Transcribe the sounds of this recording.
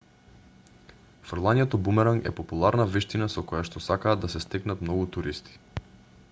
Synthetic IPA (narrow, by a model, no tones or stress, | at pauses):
fɾlˠaɲɛt̪ɔbumɛɾaŋɛ̰populˠaɾnaviʃt̪inasɔkojaʃt̪ɔsakaːd̪ːasɛst̪ɛknat̪mnɔɡut̪uɾist̪i̥